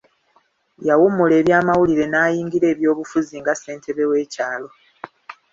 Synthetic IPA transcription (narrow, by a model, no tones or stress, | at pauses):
jawumːule̞ːβjaːmawuliɾe̞naːjiːŋɡiɾe̞ːβjo̞ːβufuziŋɡase̞ːntʰe̞βewe̞ːcaːlo̞